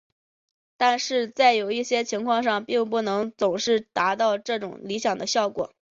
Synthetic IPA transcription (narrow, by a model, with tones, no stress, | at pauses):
t̪a˥˧nʂɻ̩˥˧t͡sa˥˩ɪjo˨˩ʊi˥˩ɕjɛ˥t͡ɕʰi˧˥ŋkʰwɑ˥˧ŋʂɑ˥˧ŋpi˥˧ŋpu˥˩nɤ˧˥ŋt͡sʊ˨˩ŋʂɻ̩˥˩t̪a˧˥t̪ɑ˥˧ʊʈ͡ʂɤ˥˩ʈ͡ʂʊ˨˩ŋli˧˥ɕjɑ˨˩ŋd̪ə˦ɕjɑ˥˩ʊkwɔ̰˨˩˦